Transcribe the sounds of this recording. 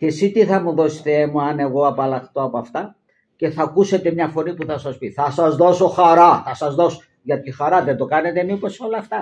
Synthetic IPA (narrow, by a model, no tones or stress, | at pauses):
ce̞sit̪iθɐmuðo̞se̥t̪eemuɐne̞ɣo̞ɐpɐlɐxt̪o̞ɐpoɐft̪ɐ | ce̞θɐkuse̞t̪e̞mɲɐfo̞nipuθɐsɐspiθɐsɐzðo̞so̞xɐɾɐθɐsɐzðo̞s | ʝɐt̪ixɐɾɐðed̪o̞kɐne̞t̪e̞mipo̞so̞lɐft̪ɐ